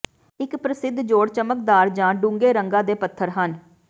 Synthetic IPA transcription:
ɪkpɾəsɪd̪d͡ʒoːɽt͡ʃəmək̚d̪aːɾd͡ʒãːɖũːŋɡeːɾəŋɡãːd̪eːpət̪ʰːəɾɦən

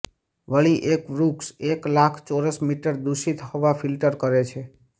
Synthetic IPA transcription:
ʋəɭiʔekɾukseklakʰt͡ʃoɾəsmiʈəɾd̪uʃit̪ɦɔʋafilʈəɾkəɾet͡ʃʰe

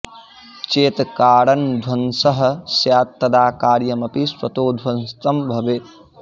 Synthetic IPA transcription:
t͡ʃeːt̪kaːɽɐnd̪ʱwɐnsɐɦɐ̆sjaːt̪ːɐd̪aːkaːɾjɐmɐpiswɐt̪oːd̪ʱwɐnst̪ɐmbʱɐʋet̪

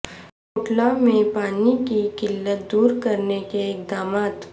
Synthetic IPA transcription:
kʊʈlamẽpaːnikikɪlːət̪̚d̪uːɾkɐɾnekeɪkd̪aːmaːt̪

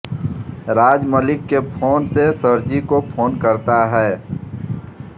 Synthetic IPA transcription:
ɾaːd͡ʒməlɪkːepʰoːnsesəɾd͡ʒikopʰoːnkəɾt̪aɦɛː

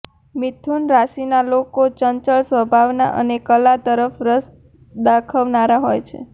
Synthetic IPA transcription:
mit̪ʰunɾasinalokot͡ʃənt͡ʃəɭsʋəbʱaʋna̰ʔə̰nekəlat̪əɾəfɾəs | d̪akʰəʋnaɾaɦojt͡ʃʰḛ

